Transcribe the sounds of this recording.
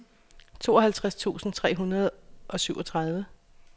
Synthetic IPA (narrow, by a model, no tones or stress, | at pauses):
t͡sʰo̝ːɒ̽ɦælt͡sʰʁast͡sʰṵːsn̩t͡sʰʁɛ̰ːɦunɐð̞ˠʔɒ̽syʊɒ̽t͡sʰʁäð̞ˠʋə